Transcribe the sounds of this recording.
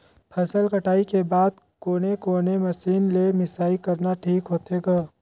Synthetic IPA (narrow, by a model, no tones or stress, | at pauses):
pʰəsəlkəʈaːikebaːd̪̚ | koːnekoːneməsiːnlemɪsaːikəɾnaʈʰiːkɦoːt̪eɡaː